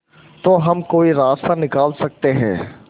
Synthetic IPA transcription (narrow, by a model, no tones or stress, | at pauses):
t̪oːɦɐmkoːiɾaːst̪anɪkaːlsɐk̚t̪eɦɛ̰̃ː